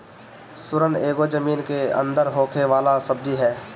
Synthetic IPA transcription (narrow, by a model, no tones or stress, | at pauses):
sʊɾəneːɡod͡ʒəmiːnkeə̰̃nd̪əɾɦoːkʰeʋaːlasɐb̚d͡ʒiɦɛː